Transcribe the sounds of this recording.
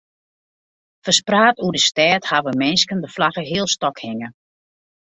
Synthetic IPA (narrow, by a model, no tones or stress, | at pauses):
fəspraːtudəstɛːthaʋəmɪnskəndəflaɣəɦɪəlˠstɔkhɪŋə